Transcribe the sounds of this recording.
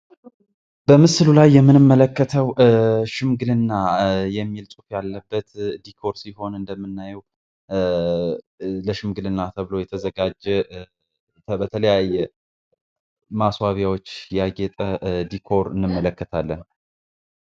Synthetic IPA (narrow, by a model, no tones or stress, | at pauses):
b̥əmɨsɨlulajːɛmːɨnɨmːələkːət̪ʰəwʃɨmɡɨlɨnːajɛmːilsʼufjalːəbːət̪d̪ikʰo̞ɾsiɦo̞nɨnd̪əmːɨnːajɛw | ləʃɨmɡɨlɨnːat̪ʰəβɨlo̞jɛt̪ʰəzəɡad͡ʒːɛ | t̪ʰəbət̪ʰələjajːɛ | maswaβjawot͡ʃːjaɡɛt̪ʼəd̪ikʰo̞ɾɨnːɨmːələkːət̪ʰalːən